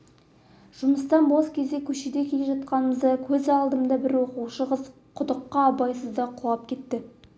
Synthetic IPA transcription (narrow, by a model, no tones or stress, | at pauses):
ʒ̥ʊməst̪ɑnwoskʲʰe̞zd̪e̞kʲʰɵʃed̪e̞kʲʰe̞le̞ʒɑt̪̚qɑnəməzd̪ɑkʲʰɵzɑlˠd̪əmd̪ɑbɪɾwoquwʃəʁəz | qʰʊd̪əqːɑːbɑjsəzd̪ɑqʰʊlˠɑp̚kʲʰe̞t̪ːɪ